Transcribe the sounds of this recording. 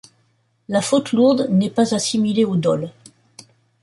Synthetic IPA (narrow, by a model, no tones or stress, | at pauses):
lafot̪luʁd̪nɛpazasimileod̪ɔl